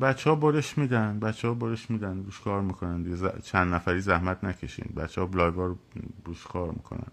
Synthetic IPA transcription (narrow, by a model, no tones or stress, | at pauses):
bæt̪t͡ʃʰːehɒːboɾeʃmiːd̪ænd̪bæt̪t͡ʃːehɒːboɾeʃmiːd̪ænɾuːʃkʰɒːɾmikʰo̞nænd̪iɡezæ̰t͡ʃʰænd̪næfæɾiːzæhmæt̪ʰnæcʰeʃḭnbæ̰t̪t͡ʃːehɒːblɒːjɡɒːɾoɾuːʃkʰɒːɾmḭːkʰo̰næ̰n